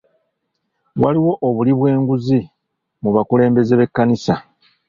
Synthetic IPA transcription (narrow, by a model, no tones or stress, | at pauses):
waliwo̞ʔːβuliβwe̞ːŋɡuzi | muβakule̞ːmbe̞zeβe̞kːanisa